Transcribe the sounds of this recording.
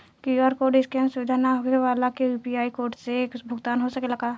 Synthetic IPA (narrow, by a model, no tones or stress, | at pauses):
kiaːɾkoːɾɖɪskeɐ̃nɾsʊʋɪd̪ʱanaɦoeʋaːlakeuːpiaːikoːɾʈseːkbʱʊɡt̪aːnɦosɐkelɐɡaː